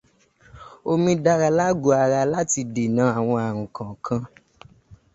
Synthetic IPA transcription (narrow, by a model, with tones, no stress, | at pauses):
o˧mĩ˧da˧ɾa˧la˦ɡo˧˦a˧ɾa˧la˦ti˧de˨nã˨˦a˦˨w̃ɔ̃˧a˨ɾ̃ũ˨kã˨kʰã˧